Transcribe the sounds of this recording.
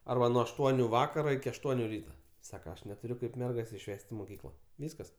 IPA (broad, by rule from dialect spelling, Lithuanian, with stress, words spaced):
ˈɐrbɐ nuɔ ɐʃˈtuɔnʲʊ ˈʋɑːkɐroː ɪkʲɪ ɐʃˈtuɔnʲʊ ˈrʲiːtɐ ˈsɑːkɐ ɐʃ nʲɛtʊˈrʲʊ ˈkɐɪp ˈmʲɛrɡɐs ɪʃʲˈʋʲɛsʲtʲ ɪ moːˈkʲiːklˠɐ ˈʋʲiːskɐs